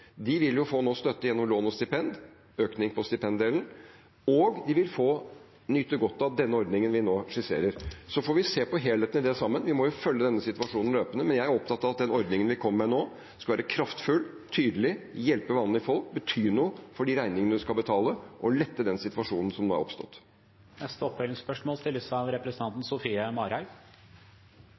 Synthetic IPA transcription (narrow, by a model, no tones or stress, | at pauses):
d̪ɪʋɪljʊfoːnoːst̪œt̪ːəjɛnːɔmloːnɔst̪ɪpɛnd̪ | øːknɪŋpʰɔst̪ɪpʰɛnd̪eːln̩ | ɔɡd̪ɪʋɪlfoː | nyːt̪əɡɔt̪ːɑʋd̪ɛnːəɔɾd̪nɪŋənʋɪnoːʂɪsḛːɾəɾsɔfɔɾʋɪseːpɔɦeːleːt̪nɪd̪ɛsɑmːənʋɪmɔjʊfœlːəd̪ɛnːəsɪt̪ʋɑʂuːnn̩løːpənəmɛnjæɪæɾɔpt̪ɑt̪ːɑʋɑt̪̚d̪ɛnɔɾd̪nɪŋənʋɪkʰɔmːɛnoː | skɑlʋæːɾəkʰɾɑft̪fʉl | t̪ʰyːd̪əlɪjɛlpəʋɑnːn̩ɪfɔlk̚bət̪ʰyːɳuːfɔɖiɾæɪnɪŋənəd̪ʉskɑbət̪ʰɑːləʔɔlɛt̪ːəd̪ɛnsɪt̪ʋɑʂuːnn̩sɔmnoːæ̰ɾɔ̰pst̪ɔ̰t̪ː | nɛst̪əɔpːɛlɪŋspœʂmoːlst̪ɪləsɑʋɾɛpɾəsət̪ɑnt̪n̩sʊfiːəmɑːɾæɪ